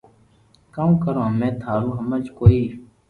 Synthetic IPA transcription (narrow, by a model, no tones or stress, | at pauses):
kaːũːkəɾõːɦəmẽːt̪ʰaːlũːɦəmət͡ʃkoːiː